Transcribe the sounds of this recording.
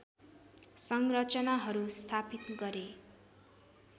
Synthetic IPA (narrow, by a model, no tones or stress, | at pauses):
sʌŋrʌt͡sʌnaɦʌɾust̪ʰapit̪ɡʌɾe